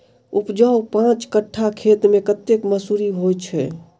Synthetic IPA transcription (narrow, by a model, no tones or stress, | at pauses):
upd͡ʒawpãt͡ʃkəʈʰːakʰet̪mẽkət̪ːekməsuɾiɦojt͡ʃʰɛ